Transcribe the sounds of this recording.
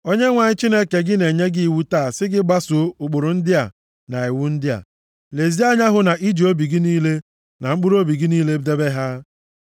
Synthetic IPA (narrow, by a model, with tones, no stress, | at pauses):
o˦ɲe˦ŋʷa˨ɲɪ˦t͡ʃi˦ne˦ke˨ɡɪ˦ne˨ɲe˦ɡɪ˦i˦˨wu˦taː˦˨sɪ˦ɡɪ˦ɡ͡ba˦sʊ˨˦ʊ˨k͡po˨ɾʊ˨n̩˦dɪ˦a˨ | na˨i˨wu˦n̩˦dɪ˦a̰˨ | le˨zi˦a˦ɲa˦ɦʊ˨na˨ʔi˦d͡ʒi˨o˦bi˨ɡɪ˦niː˦le˦ | na˨ŋ͡m̩˦k͡pu˦ɾo˦bi˨ɡɪ˦niː˦le˦bde˦be˦ɦa˦